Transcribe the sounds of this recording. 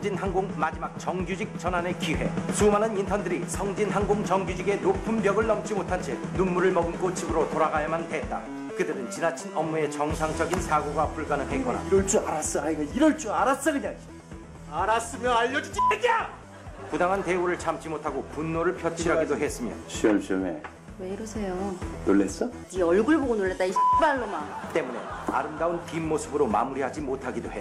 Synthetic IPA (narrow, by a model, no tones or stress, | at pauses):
d͡ʑinɦaŋɡoŋmad͡ʑimak̚t͡ɕʌŋd͡ʑud͡ʑik̚t͡ɕʌnane̞kiwe̞̰sʰumanɯnintʰʌndɯɾisʰʌŋd͡ʑinɦaŋɡoŋt͡ɕʌŋɡud͡ʑiɡe̞nopʰɯmbjʌɡɯɭːʌmt͡ɕ͈imotʰant͡ɕʰenumːuɾɯɭmʌɡɯnk͈ot͡ɕʰibɯɾotoɾaɡajamanhet̚t͈a̰ | kɯdɯɾɯnt͡ɕinat͡ɕʰinʌmːue̞t͡ɕʌŋsʰaŋt͡ɕʌɡinsʰaɡoɡapuɭɡ͈anɯnɦek͈ʌna̰ɾʌɭt͡ɕ͈uaɾas͈ʌaiɡaiɾʌɭt͡ɕ͈uaɾas͈ʌkɯɲaŋ | aɾas͈ɯmjʌnaʎːʌd͡ʑid͡ʑied͡ʑa | kudaŋɦante̞oɾɯɭt͡ɕʰamt͡ɕ͈ʰimotʰaɡopunːoɾɯɭpʰjʌt͡ɕʰiɾɦaɡidoɦe̞s͈ɯmjʌɕʰiʌmɕʰʌŋḛ | weiɾʌsʰe̞jonoɭːes͈ʌ | iʌɭɡuɭboɡonoɭːet͈̚aisbaɭːomat͈e̞mune̞̰a̰ɾɯmdaunpimːosʰɯbɯɾoma̰muɾiɦad͡ʑimotʰaɡidohe